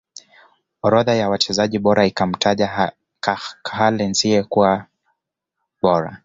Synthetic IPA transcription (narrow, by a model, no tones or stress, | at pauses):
ɔɾɔðajawat͡ʃɛzaʄiɓɔɾaikam̩tʰaʄa | kkhalɛnziɛkuwa | ɓɔɾa̰